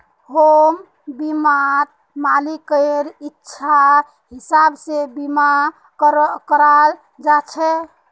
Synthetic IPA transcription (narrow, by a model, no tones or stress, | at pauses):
hom | bimat̪̚ | malikəɾitːʃʰa | ɦisabsebima | kəɾal | d͡ʒat͡ʃʰɛ